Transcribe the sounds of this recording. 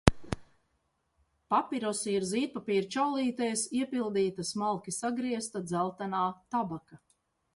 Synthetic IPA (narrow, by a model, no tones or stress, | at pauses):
papiɾɔsiɾziːt̪̚papiːɾt͡ʃawlˠiːt̪ajsiɛpilˠd̪iːt̪asmalˠkʲisaɡɾiɛst̪ad̪zælˠt̪anaːt̪abaka